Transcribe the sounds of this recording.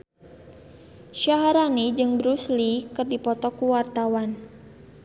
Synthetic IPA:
ʃaɦaɾanid͡ʒɨŋbɾuslikɨrdipɔt̪ɔkuwart̪awan

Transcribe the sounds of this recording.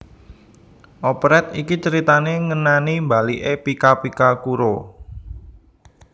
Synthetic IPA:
ʔopɾɛt̪̚ikit͡ʃəɾit̪aneŋənanimbaliʔepikapikakuɾo

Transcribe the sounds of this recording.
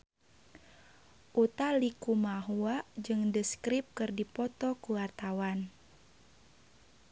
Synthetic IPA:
ʔut̪alikumaɦuaʔd͡ʒɨŋdəskɾip̚kɨrdipɔt̪ɔkuart̪awan

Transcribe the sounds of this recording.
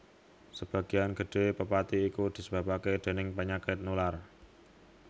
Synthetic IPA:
səb̥ä̤ɡ̥ianɡ̥ə̤ɖ̪̥e̤pəpat̪iːkud̪̥i̤səb̥a̤paked̪̥e̤nɪŋpəɲakɪt̪̚nular

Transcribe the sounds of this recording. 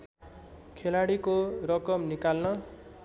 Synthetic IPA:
kʰelaɽikorʌkʌmnikalnʌ

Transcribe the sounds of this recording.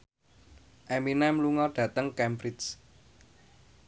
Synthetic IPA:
ʔɛminɛmluŋɔɖ̥ä̤t̪əŋkɛmbɾis

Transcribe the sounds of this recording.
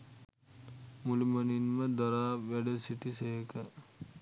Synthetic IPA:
muliməninməd̪ɔɾaːʋæɖəsiʈiseɦekə

